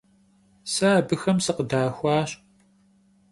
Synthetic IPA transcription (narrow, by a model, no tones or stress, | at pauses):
saːbɨxɐmsɨqədaːxʷɑːɕ